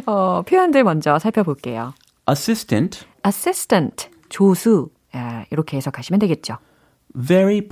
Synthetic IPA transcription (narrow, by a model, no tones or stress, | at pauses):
ʌpʰjoandemʌnd͡ʑʌsʰaɭpʰjʌboɭk͈e̞jo̰ | ʔəsɪstʰɨ̃nt | as͈istʰəntʰ | t͡ɕosʰu | iɾʌkʰeːsʰʌk͈aɕʰimjʌndweɡet̚t͡ɕ͈o | vɛɹip